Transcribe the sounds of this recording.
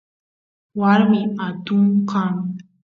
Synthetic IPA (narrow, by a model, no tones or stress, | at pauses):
waɾmiat̪umqan